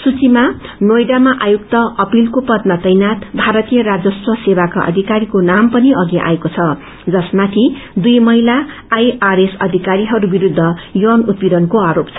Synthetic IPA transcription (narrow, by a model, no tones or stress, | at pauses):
sut͡simanojɖamaʔajuk̚t̪ʌʌpilkopʌd̪̚mat͡sʌjnat̪bʱaɾʌt̪ijʌɾad͡zʌswʌsebaka̰ʔʌ̰d̪ʱikaɾikonampʌniʌɡiʔa̰ekot͡sʰʌ | d͡zʌsmat̪ʰid̪ujmʌɦilaː | jaɾesʌd̪ʱikaɾiɦʌɾubiɾud̪ʱːʌjʌnut̪̚piɾʌnkoaɾopt͡sʰʌ